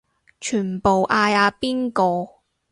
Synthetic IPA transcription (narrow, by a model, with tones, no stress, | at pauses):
t͡ʃʰyː˨˩npo˨wʔaː˧jaː˨˧piː˥nkɔː˧